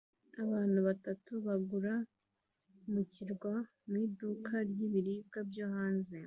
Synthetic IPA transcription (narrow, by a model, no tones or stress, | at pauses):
aβaːn̥huβatatuβaɡuɾa | muciɾɡwa | miːdukʰaɾjiβiɾiːb̚ɡabjohaːnze